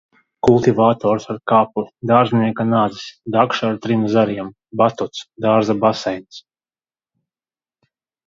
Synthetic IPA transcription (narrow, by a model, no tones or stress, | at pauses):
kulˠt̪ivaːt̪ɔːɾsaɾkaːpud̪aːɾzniɛkanaːd̪zi̥sd̪akʃaːɾt̪ɾimzaɾiɛm | bat̪ɔt̪sd̪aːɾzabasɛjns